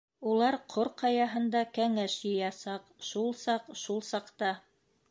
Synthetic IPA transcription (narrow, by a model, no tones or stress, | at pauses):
ulˠɑɾqʰoɾqɑjɑɦɤ̆nd̪ɑkæŋæʃjɤ̆jɑsɑqʃulˠsɑqʃulˠsɑqt̪ɑ